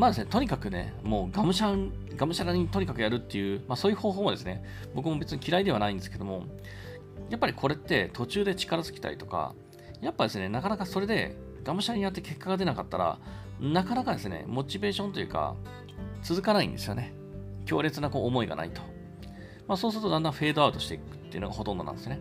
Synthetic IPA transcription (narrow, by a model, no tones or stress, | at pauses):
maːd̪esɨne̞t̪o̞ɲ̟ikakɯ̟ne̞̰mo̞ːɡamɯ̟ɕaɡamɯ̟ɕaɾaɲ̟it̪o̞ɲ̟ikakɯ̟jaɾɯ̟t̪ːe̞jɯ̟ːmaso̞ːjɯ̟ho̞ːɦoːmod̪e̞sɨne̞ | bo̞k̬ɯ̟mo̞be̞t͡sɨɲikʲiɾaid̪e̞anaĩnd̪e̞sɨ̥ked̪o̞mo̞ | japːaɾʲikʰo̞ɾe̞t̪ːe̞t̪ʰo̞t͡ɕɨːd̪e̞t͡ɕi̥kaɾazɨ̥kʲi̥t̪a̰ɾʲḭt̪o̞ka̰ | japːad̪e̞sɨne̞nakanakaso̞ɾe̞d̪e̞̰ | ɡ̥amɯ̟ɕaaɲ̟ijat̪ːeke̞kːaɡad̪e̞nakat̪ːaɾa̰nakanakad̪e̞sɨne̞̰mo̞t͡ɕibe̞ːɕõ̞nt̪o̞jɯ̟ːka̰ | t͡sɨzɨkanaḭ̃nd̪e̞sɨjo̞ne̞ | kʲo̞ːɾe̞t͡sɨnako̞ːmo̞iɡa̰na̰it̪o̞̥ | masoːs̬ɨɾɯt̪o̞d̪ãnd̪ãɸe̞ːd̪o̞aɯ̟t̪o̞ɕi̥t̪e̞̰ikɯ̟t̪ːejɯ̟no̞ɡaho̞t̪õ̞nd̪ã̰nd̪esjone